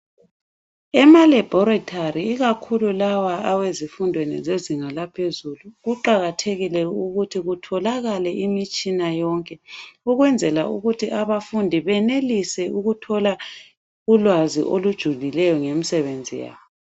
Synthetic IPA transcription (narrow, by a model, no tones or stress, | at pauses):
ɛmalɛb̥ʱɔɾatʰaɾiːɣakʰululawaawezifundʱwenḭzeziŋalapʰezuluɣuǃaɣatʰeɣilɛuɣutʰiɣutʰɔlaɣalɛʔimit͡ʃʼinajɔŋkʼɛuɣwɛnd͡zʱɛlauɣutʰiʔaβafundʱiβɛnelisɛuɣutʰɔla | ulwazḭʔolud̥ʒ̥ʱulilɛjɔŋemisɛβend͡zʱija̰ːβɔ